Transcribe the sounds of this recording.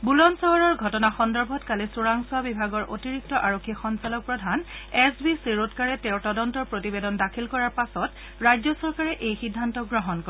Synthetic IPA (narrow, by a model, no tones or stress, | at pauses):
bulɔnsɔɦɔɹɔɹɡʱɔtɔnaxɔndɔɹbʱɔtkalisuɹaŋsuabibʱaɡɔɹʔo̰tiɹik̚tɔʔaɹokʰːixɔnsalɔk̚pɹɔdʱanɛsbisiɹotkaɹɛtɛʊtɔdɔntɔɹpɹotibedɔndakʰilkɔɹaɹpasɔt | ɹajzɔsɔɹkaɹɛʔejxidʱːantɔɡɹɔɦɔnkɔɹɛ